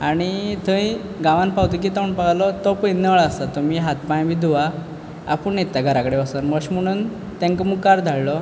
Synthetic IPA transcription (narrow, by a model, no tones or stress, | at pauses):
aɽ̃it̪ʰə̃ĩ | ɡãʋãnpawt̪uk̬it̪auɳpaɡlɔt̪ɔpəjnəʋɭəst̪at̪ːɔmiɦat̪pajbiːd̪ʱuʋa | a̰pəɳnet̪ːaɡʱəɾakəɽeʋəsənməɕm̤əɽ̃uːn | t̪ãŋkɔmuɡkːaɾd̪ʱaɭlɔ